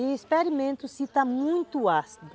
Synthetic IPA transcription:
ɪispeɾimẽnt̪ʊsit̪ɐmũj̃t̪uasd̪

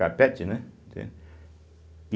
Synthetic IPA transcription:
apet͡ʃinɨ̃ | t̪ḛ

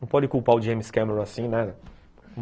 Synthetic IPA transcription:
ɐ̃pɔd͡ʒɪkuwpaʊd͡ʒẽjmiskɛ̃meɾõasĩnad̪ɐ | m

